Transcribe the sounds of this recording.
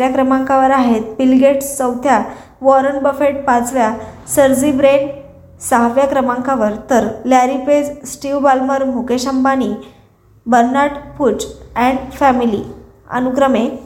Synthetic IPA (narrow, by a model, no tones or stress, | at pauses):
ɾjakɾəmãŋkaʋəɾaɦet̪̚pilɡeʈsəwt̪ja | ʋɔɾənbəfeʈ̚pat͡sʋjasəɾd͡zibɾen | saɦaʋjakɾəmaŋkaʋəɾt̪əɾlaɾiped͡zsʈiʋbalməɾmukeɕəmbani | bəɾnaʈput͡sɛ̃ɳɖfæmili | ə̰nukɾəme